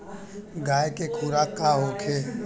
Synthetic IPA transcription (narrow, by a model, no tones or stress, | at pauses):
ɡaːjkekʰuːɾakaɦoːkʰe